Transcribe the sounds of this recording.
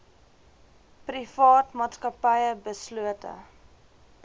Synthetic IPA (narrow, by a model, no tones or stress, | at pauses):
prifɑːtmɑːtskɐpəjəbəsluətə̰